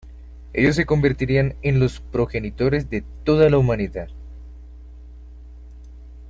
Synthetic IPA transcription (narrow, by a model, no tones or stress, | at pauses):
e̞̰ʝo̞s̬ːe̞ko̞mbe̞ɾt̪iɾianenlo̞spɾo̞xe̞nit̪o̞ɾe̞zd̪e̞t̪o̞ðalaumaniðað